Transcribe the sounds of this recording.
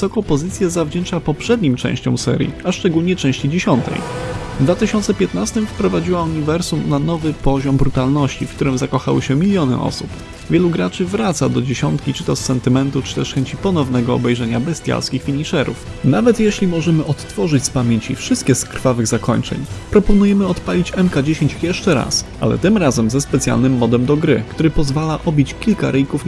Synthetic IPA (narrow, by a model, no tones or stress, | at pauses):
sɔkɔpɔzɘt̪sʲjazavd͡ʑɛnt͡ʂapɔpʂɛd̪ɲimt͡ʂɛ̰̃w̃ɕt͡ɕɔ̰̃w̃sɛ̰ɾʲjḭaʂt͡ʂɛɡulɲɛt͡ʂɛ̃w̃ɕt͡ɕid͡ʑeɕɔnt̪ɛ̰jd̪vat̪ɘɕɔnt̪sɛpʲjɛt̪nast̪ɘmfpɾɔvad͡ʑiwauɲivɛɾsumnanɔvɘpɔʑɔmbɾut̪alnɔɕt͡ɕifkt̪uɾɘmzakɔxawɘ̰ɕɛmʲilʲjɔnɘ̰ʔɔ̰sup | vʲjɛluɡɾat͡ʂɘvɾat̪sad̪ɔd͡ʑeɕɔnt̪kʲit͡ʂɘ̥t̪ɔsːɛnt̪ɘmɛnt̪ut͡ʂɘ̥t̪ɛʂxɛɲt͡ɕipɔnɔvnɛɡɔɔ̰bɛjʐɛɲabɛst̪ʲja̰lskʲixfʲiɲiʂɛɾṵfnavɛt̪jɛɕlʲimɔʐɛmɘʔɔt̪ːfɔʐɘt͡ɕspamʲjeɲt͡ɕifʂɨst̪kʲɛskɾ̥favɘɣzakɔ̰ɲt͡ʂɛ̰ɲpɾɔpɔnujɛmɘɔt̪palʲit͡ɕɛmkad͡ʑeɕeɲt͡ɕjɛʂt͡ʂɛɾa̰sʔa̰lɛ̰t̪ɘmɾazɛmzɛspɛt̪sʲja̰lnɘmːɔd̪ɛmd̪ɔɡɾɘkt̪uɾɘpɔzvalaʔɔbʲit͡ɕkʲilkaɾʔɘjkuf